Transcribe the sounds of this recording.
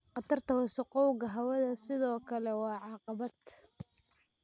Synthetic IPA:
qɑt̪ʰɐrt̪ʰɐwɐsʊqɔwɣɐɦɐwɐðɐsɪðɔːkʰɐlɛwɑːʕɑːqɑβɐd̪

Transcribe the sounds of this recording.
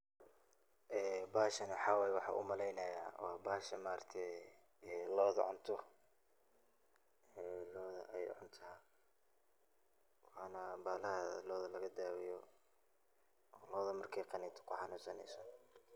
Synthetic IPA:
ʔɛːbaːʃɐnħɑwɛjwɑħɑ̰ʔʊ̰mɐlɛjnɐja̰ːwʔɑ̰ːbaːʃɐmaːɾt̪ʰɛ | ɛːlɔːðɐ̰ʕʊ̰nt̪ʰɔ | ɛːlɔːðɐ̰ʔɛjʕʊnt̪ʰa | wɑːnɐbaːlɐhɐlɔːðɐlɐɣɐd̪aːwɪjɔ | lɔːðɐmɐrkʰɛjqɑnɛt̪ʰɔ̥kʰʊħɑnuːsɐnɛ̰jsɔ

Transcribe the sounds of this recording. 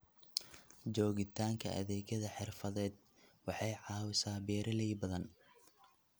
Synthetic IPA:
d͡ʒɔːɣɪt̪ʰaːŋkʰɐ̰ʔɐ̰ðɛːɣɐðɐħɪrfɐðɛːd̪ | wɑħɑjʕɑːwɪsaːbɛːɾɐlɛjbɐðɐn

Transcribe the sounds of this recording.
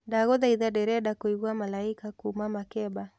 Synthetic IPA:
daɣɔðaiðaɗɛɾɛɗakoiɣuamalaikakumamakɛba

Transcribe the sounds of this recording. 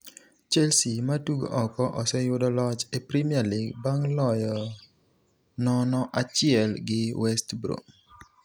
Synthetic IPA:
t͡ʃɛlsimatuɡo̰ʔɔkɔʔɔsɛjʊdɔlɔt͡ʃepɾimialiɡbaŋlɔjɔ | nɔnɔʔat͡ʃɪɛlɡɪwɛstbɾo̰

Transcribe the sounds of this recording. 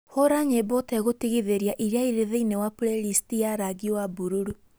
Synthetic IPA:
hoɾaɲebɔtɛɣotiɣiðeɾjaʔiɾeaiɾeðeinewaplelistiaɾaɡiwabuɾuɾu

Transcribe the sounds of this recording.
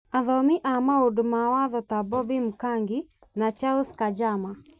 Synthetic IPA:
aðɔmɪʔamaodmawaðɔtabɔbim̩kaŋɡɪ | nat͡ʃauskad͡ʒama

